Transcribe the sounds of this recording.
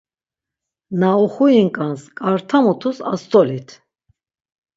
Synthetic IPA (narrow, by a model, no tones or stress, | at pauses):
nauχujiŋkʼanskʼaɾt̪ʰamut̪ʰusa̰st̪ʼɔlit̪ʰ